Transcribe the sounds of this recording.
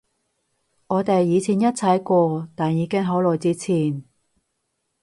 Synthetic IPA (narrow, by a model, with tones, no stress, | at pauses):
ŋɔː˨˧t̪e˨jːiː˨˧t͡sʰiː˨˩njɐ˥t̚t͡sʰɐ˨˥jkʷɔː˧t̪aː˨˩njiː˨˧kɪ˥ŋɦɐ˨˥wlɔː˨˩jt͡siː˥t͡sʰiː˨˩n